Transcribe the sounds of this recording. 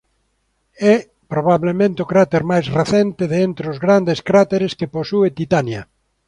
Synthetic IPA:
ɛ | pɾoβaβlemẽnt̪eokɾat̪eɾmajzreθent̪ɪðeent̪ɾeʊzɣɾand̪eskɾat̪eɾeskeposuet̪it̪anjɐ

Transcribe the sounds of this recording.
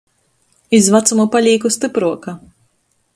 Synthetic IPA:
izvat̪sumupalʲiːkust̪ɨpɾuɔka

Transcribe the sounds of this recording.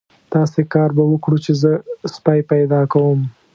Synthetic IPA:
t̪ɑsekɑɾbawəkɽut͡ʃezəspajpajd̪ɑkawəm

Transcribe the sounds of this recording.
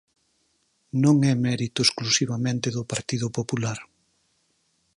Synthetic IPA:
nõŋɛmɛɾit̪ʊesklusiβamẽnt̪eðʊpaɾt̪iðʊpopulaɾ

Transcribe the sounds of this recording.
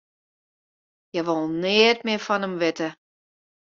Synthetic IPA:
jɛʋolˠnɪətmɪəfɔnəmʋɪtə

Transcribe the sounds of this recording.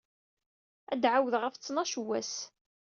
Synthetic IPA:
æd̪ʕawəðʁəft͡sːnɑʃəwːæs

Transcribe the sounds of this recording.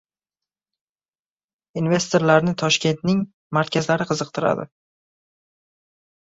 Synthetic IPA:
inve̞st̪ʰoɾlaɾnɪt̪ʰɒʃkʲe̞nt̪nɪŋ | maɾkʲazlaɾɪqʰɨzɨq̚t̪ʰɪɾa̰d̪ɪ̰

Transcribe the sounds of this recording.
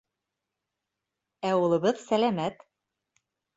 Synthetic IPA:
æulˠɤ̆βɤðsælæmæt̪

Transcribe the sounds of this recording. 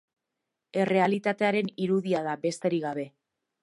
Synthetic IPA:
e̞re̞alit̪at̪e̞aɾe̞niɾuðiaðabe̞st̪e̞ɾiɣaβ̞e̞

